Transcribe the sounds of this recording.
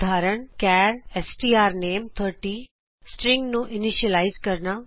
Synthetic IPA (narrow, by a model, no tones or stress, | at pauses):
d̪ʱaːɾəɳ̃kɛːɾɛsʈiːaːɾneːmt̪ʰəɾʈi | sʈɾɪ̃ŋɡnũʔɪniʃiəlaːɪzkɐɾna